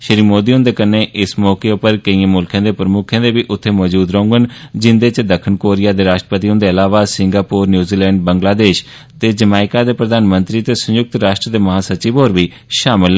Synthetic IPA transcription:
ʃəɾiːmoːd̪iːɦʊ̃nd̪eːkəneːʔɪsmɔːkeːʊpəɾkəiːẽːmʊlkʰãːd̪eːpɾəmʊkʰẽːd̪eːbiːʔʊt̪ʰːeːmɔːd͡ʒuːd̪ɾəʊ̃ŋɡənd͡ʒɪnd̪eːt͡ʃd̪əkʰːənkoːɾɪjaːd̪eːɾaːʃʈɾəpət̪iːõnd̪eːəlaːʋaːsɪŋɡaːpoːɾnjuːziːlɛ̃ːɳɖ̚bəŋɡlaːd̪eːʃ | t̪eːd͡ʒəmaːɪkaːd̪eːpɾəd̪aːnmə̃nt̪ɾiːt̪eːsəjʊk̚t̪ɾaːʃʈɾəd̪eːməɦaːsət͡ʃiːboːɾʋiː | ʃaːmɪln

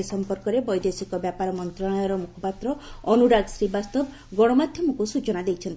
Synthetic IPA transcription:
isɔmpɔɾkɔɾebɔjd̪esikɔbjapaɾɔmɔnt̪ɾɔɽ̃ɔjɔɾɔmukʰɔpat̪ɾɔɔnuɾaɡsɾibast̪ɔb | ɡɔɽ̃ɔmad̪ʱjɔmɔkusut͡ʃɔnad̪ejt͡ʃʰɔnt̪i

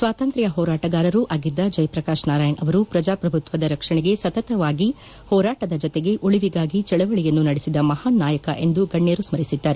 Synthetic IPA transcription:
sʋaːt̪ɐnt̪ɾɐjɐɦɔːɾaːʈɐɡaːɾɐɾuʔaːɡid̪ːɐd͡ʒɐjpɾɐkaːʃnaːɾaːjɐɳʔɐʋɐɾupɾɐd͡ʒaːpɾɐbʱut̪ʋɐd̪ɐɾɐkʂɐɳɛɡe̞sɐt̪ɐt̪ɐʋaːɡi | hɔːɾaːʈɐd̪ɐd͡ʒɔt̪eɡe̞ʔuɭiʋiɡaːɡit͡ʃɛɭɐʋɐɭijɐnːunɐɽisid̪ɐmɐhaːnːaːjɐkɐʔe̞nd̪uɡɐɳːeːɾusmɐɾisid̪ːaːɾe

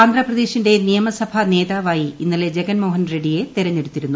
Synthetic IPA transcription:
aːnd̪rɐprɐðeːɕinde̞nijɐmɐsɐbʱɐne̞ːðaːʋaːjiinːɐle̞d͡ʑe̞ɡɐnmoːɦɐnreɖije̞t̪iɾɐɲːeɽut̪ːiɾunːu

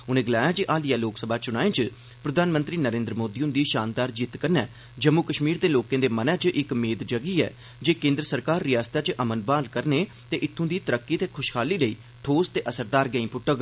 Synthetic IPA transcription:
ʊnẽːɡəlaːjaːd͡ʒeːʔaːlijaːloːksəbaːt͡ʃʊɽ̃aːẽːt͡ʃ | pɾəd̪aːnmə̃nt̪ɾiːnəɾẽːnd̪ɾəmoːd̪iːʊ̃nd̪iːʃaːnd̪aːɾd͡ʒiːt̪kəɾnɛː | d͡ʒəmːukəʃmiːɾd̪eːloːkẽːd̪eːmənɛ̃ːt͡ʃʔɪkmeːd̪d͡ʒəɡiːɛ̰ː | d͡ʒeːkẽːnd̪ɾəsəɾkaːɾːɪjaːst̪aːt͡ʃʔəmənbaːlkəɾneː | t̪eːʔɪt̪ʰːõːd̪iːt̪əɾəkːiːt̪eːkʰʊʃkʰaːliːləiː | ʈʰoːst̪eːʔəsəɾd̪aːɾɡəĩːpʊʈːək

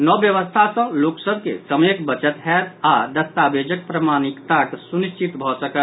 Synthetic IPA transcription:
nɔbjəʋəst̪ʰasə̃loksəb̚ʱkḛsəmekbət͡ʃət̪ɦɛɾad̪əst̪abed͡ʒək̚pɾəmanikt̪aksuniʃt͡ʃʰit̪bʱɔsəkət̪

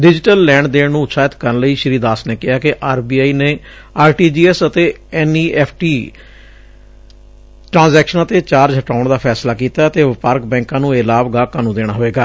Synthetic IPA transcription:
ɖɪd͡ʒɪʈəlːɛ̃ːɳɖd̪eːnũːʃaːjət̪kəɾnləiːʃəɾiːd̪aːsneːkɪɦaːkɪʔaːɾbiːaːiːneː | aːɾʈiːd͡ʒiːɛːsət̪eːɛːniːʔɛːpʰʈiː | ʈɾãːnzɛːkʃənãːt̪eːt͡ʃaːɾd͡ʒɦəʈaːʊɳd̪aːpʰɛːslaːkiːt̪aːət̪eːʋɪpaɾk̚bɛ̃ːŋkãːnũːeːlaːbɡaːkaːnũːd̪eːɽ̃aːɦoːeːɡaː

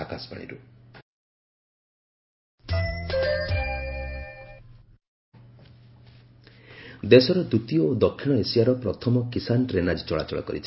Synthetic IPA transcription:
akaspa̰ɽ̃ḭɾṵ | d̪esɔɾɔd̪ut̪iood̪ɔkʰːiɽ̃ɔesijaɾɔpɾɔt̪ʰɔmɔkisanʈɾenad͡ʒit͡ʃɔɭa̰t͡ʃɔɭɔ̰kɔ̰ɾḭt͡ʃʰ

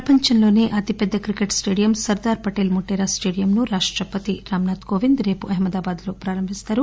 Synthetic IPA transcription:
ɐpɐɲt͡ʃɐnlo̞ːneːʔɐt̪ipɛd̪ːɐkɾikeʈsʈe̞ːɖijɐmsɐɾd̪aːɾpɐʈeːlmuʈːeːɾaːsʈe̞ːɽijɐmnuɾaːʂʈɾɐpːɐt̪iɾaːmnaːt̪ko̞ːʋind̪ɾe̞ːpuʔɐɦimɐd̪aːbaːd̪lo̞ːpɾaːɾɐmbʱist̪aːɾu

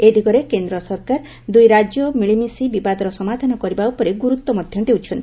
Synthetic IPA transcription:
ed̪ʱikɔɾekend̪ɾɔsɔɾkaɾ | d̪ujɾad͡ʒjɔmiɭimisibibad̪ɔɾɔsɔmad̪ʱanɔkɔɾibaupɔɾeɡuɾut̪ːɔmɔd̪ʱjɔnd̪eut͡ʃʰɔnt̪ii

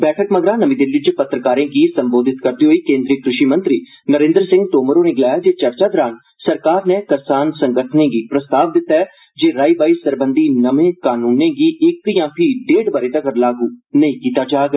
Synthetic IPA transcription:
bɛːʈʰəkməɡɾaːnəʋiːd̪ɪlːit͡ʃpət̪ːɾəkaːɾẽːɡiːsəmboːd̪ɪt̪kəɾd̪iːɦoːiːkẽːnd̪ɾiːkɾɪʃiːmə̃nt̪ɾiː | nəɾẽːnd̪əɾsɪ̃ŋɡʈoːməɾoːneːɡɪlaːjaːd͡ʒeːt͡ʃəɾt͡ʃaːd̪əɾaːn | səɾkaːɾneːkəɾsaːnsə̃ŋɡəʈʰnẽːɡiːpɾəst̪aːʋd̪ɪt̪ːaːɛː | d͡ʒeːɾaːiːbaːiːsəɾbənd̪iːnəʋẽːkaːnũːnẽːɡiːɪkjãːpʰiːɖeːɖbəɾeːt̪əkəɾlaːɡuːnəĩːkiːt̪aːd͡ʒaːɡ

